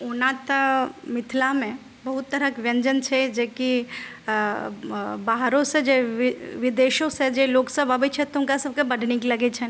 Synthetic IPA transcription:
ʊnat̪mɪt̪ʰlamẽ | bɐɦut̪ːɐɾəkʋjɐ̃ɲd͡ʒənt͡ʃʰɛd͡ʒeːki | baːɦɾõsed͡ʒeʋʋɪd̪eːʃõsed͡ʒeloːksəbɐbet͡ʃʰet̪ʊ̃mkasɐb̚kebɐɖʱnekilɐɡet͡ʃʰɛn

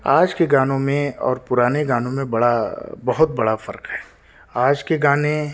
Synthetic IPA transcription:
aːd͡ʒkeɡãːnõmẽɔ̰ːɾpʊɾaːneɡãːnõmẽbɐɽabɐɦʊt̪̚bɐɽafɐɾkɦɛː | aːd͡ʒkeɡaːne

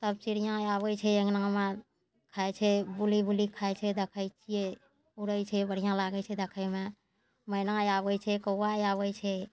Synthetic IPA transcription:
t̪əb̚t͡ʃiɽijãabət͡ʃʰɛeɡnãmẽ | kʰajt͡ʃʰɛbulibulikʰajt͡ʃʰɛd̪ekʰəjt͡ʃʰije | uɾəjt͡ʃʰɛbəɽ̤ijãlaɡɛt͡ʃʰɛd̪ekʰəjme | mənãjabəjt͡ʃʰɛkəwajaβəjt͡ʃʰɛ

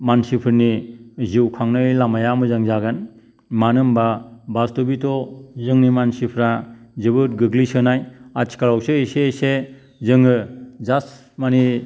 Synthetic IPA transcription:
mansipʰɯɾniziwkʰaŋnɯjlamajamɯzaŋzaɡɯn | manɯmbabastubitʰɔzɯŋnimansipʰɾazɯbɯt̚ɡɯɡlisɯnajat͡ʃʰi̥kaɾawsɯisese | zɯŋɯzas | mani

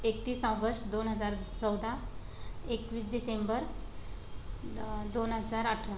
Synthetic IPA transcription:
ek̚t̪iːsawɡəsʈd̪onɦəd͡zaɾt͡səwd̪ʱa | ekʋiːsɖisembəɾ | d̪onɦəd͡zaɾaʈʰon

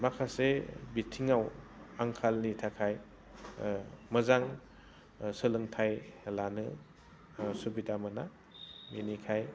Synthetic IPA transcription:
makʰasebitʰiŋawaŋkʰalnitʰakʰaj | mɯzaŋ | sɯlɯŋtʰajlanɯ | subidamɯna | minikʰaj

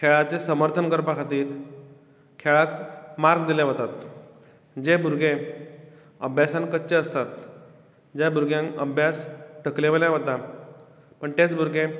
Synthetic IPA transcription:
kʰeɭat͡sesəməɾt̪ʰənkəɾpakʰat̪iːɾ | kʰeɭakmaɾɡd̪iljaɦət̪at̪ | d͡ʑebʱuɾɡe | əbʱjasankətːɕeəst̪at̪ | d͡ʑjabuɾɡjãŋkəbʱjasʈʰəkleʋəljaʋət̪a | pəɳt̪et͡sbʱuɾɡe

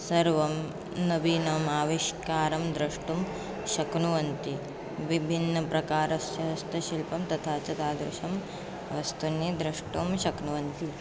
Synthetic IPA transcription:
sɐɾʋɐm | nɐbiːnɐmaːʋiʃkaːɾɐmd̪ɾɐʂʈum | ʃɐknuʋɐnt̪i | ʋibʱinːɐpɾɐkaːɾɐsjɐɦɐst̪ɐʃilpɐmt̪ɐt̪ʰaːt͡ʃɐt̪aːd̪ɾɪ̰ʃɐm | ɐʋɐst̪unːid̪ɾɐʂʈumʃɐknuʋɐnt̪i

